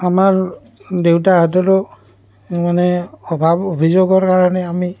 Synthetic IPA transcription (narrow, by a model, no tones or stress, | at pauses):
amaɹ | dewtaɦat̬ɔlɔ | manɛɔbʱabobʱizoɡɔɹkaɹɔnɛami